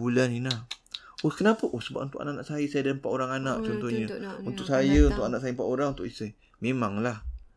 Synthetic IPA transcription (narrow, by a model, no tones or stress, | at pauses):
ulaninah | okənapəʔosəba̰p̚unt̪ʊka̰naʔanaʔsajəsajədampaʔoɾaŋanaʔt͡ʃɔnt̪ɔhɲəunt̪ʊkʔ̚sajəunt̪ʊʔkanaʔsajəmpaʔoɾaŋnt̪ʊʔisəj | memaŋlah